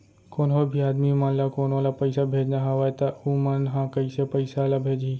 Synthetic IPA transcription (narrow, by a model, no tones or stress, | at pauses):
koːnɦoːbʱiaːd̪mimãnlakoːnalapɐɪsabʱeːd͡ʒnaɦɐʋaːjt̪aumənɦãkɐisepɐɪsalabʱeːd͡ʒi